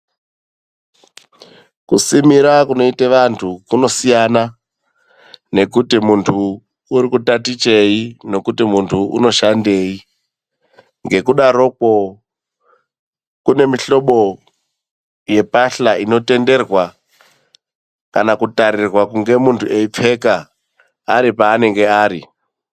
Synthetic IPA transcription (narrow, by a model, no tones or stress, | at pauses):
kusimiɾakuno̞iteʋantʰukuno̞sijana | ne̞kutimuntʰuː | ɾikutatit͡ʃe̞ino̞kutimuntʰuṵno̞ʃande̞ːi | ŋɡe̞kuɗaɾo̞kwo̞ | kune̞miɬo̞ɓo̞ | je̞paɬaʔino̞te̞nde̞rwa | kanakutaɾirwakuŋɡe̞muntʰue̞ip͡fe̞kaː | ɾipaːne̞ŋɡe̞aːɾi